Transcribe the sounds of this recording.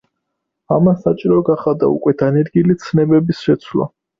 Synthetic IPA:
amasat͡ʃʼiɾɔɡaχad̪a̰ṵkʼwɛd̪̥anɛɾɡilit̪sʰnɛbɛbisʃɛt̪sʰwla̰

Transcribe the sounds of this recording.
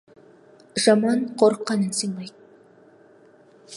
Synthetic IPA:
ʒ̥ɑmɑnqʰoɾəqːɑnənsɨɴmɑj

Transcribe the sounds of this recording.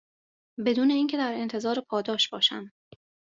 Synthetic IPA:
be̞d̪uːne̞iːŋcʰe̞d̪æɾe̞nt̪ʰe̞zɒːɾepʰɒːd̪ɒːʃb̥ɒːʃæ̰m

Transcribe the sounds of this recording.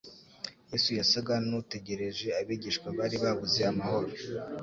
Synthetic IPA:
jeːsujasaɡanute̞ɟe̞ɾe̞ʒe̞aβiɟiʃkwaβaɾiβaβuzeamaho̞ɾo

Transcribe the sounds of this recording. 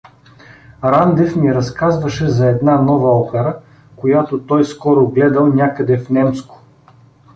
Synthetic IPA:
ɾand̪ɛfmiɾɐskazvɐʃɛzɐɛd̪nanɔvɐɔpɛɾə | kojat̪ot̪ɔjskɔɾʊɡlɛd̪ɐlˠnʲjakəd̪ɛfnɛmskʊ̥

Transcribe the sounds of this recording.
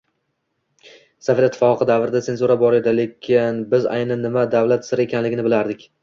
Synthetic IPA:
safeat̪ʰːɪfɒqʰɨd̪avɾɪd̪at̪e̞nzuɾabɒɾe̞d̪ale̞kʲʰɪnbɪza̰jnanːɪmad̪avlat̪sɪɾekʲʰanlɪɡʲɪnɪbɪlaɾd̪ɪkʲ

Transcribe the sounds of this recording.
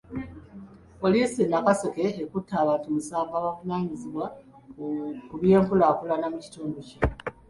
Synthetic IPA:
po̞liːsenːakaseke̞ːkutʰːaːβatumusaːvaːβavunaːɲiziβwa | kuβje̞ːŋkulaːkulanamuci̥tuːmbuce

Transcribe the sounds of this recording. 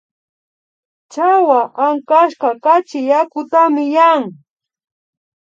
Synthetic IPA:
t͡ʃawaʔaŋkaʃkakat͡ʃɪjakʊt̪amɪjaŋ

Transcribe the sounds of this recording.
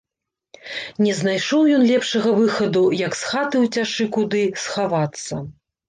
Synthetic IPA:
nʲɛznajʂɔwjɔnlʲɛpʂɐɣɐvɨxɐd̪ujɐksxat̪ɨwt͡sʲaʂɨkud̪ɨsxavat̪sːɐ

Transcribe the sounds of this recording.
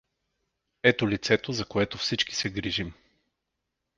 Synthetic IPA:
ɛt̪olit̪sɛt̪ozɐkoɛt̪ofsit͡ʃki̥sɛɡɾiʒim

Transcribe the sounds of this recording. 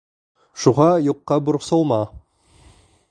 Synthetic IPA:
ʃuʁɑjoqːɑbʊɾqsolˠmɑ

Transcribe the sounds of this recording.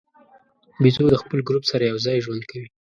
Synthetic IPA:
bizod̪əxpəlɡɾupsaɾajawzɑjʒwand̪kʰawi

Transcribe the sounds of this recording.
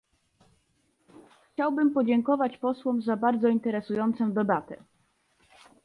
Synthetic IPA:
xt͡ɕawbɘmpɔd͡ʑɛŋkɔvat͡ɕpɔswɔmzabaɾd̪zɔint̪ɛɾɛsujɔnt̪sɔ̃w̃d̪ɛbat̪ɛ̰

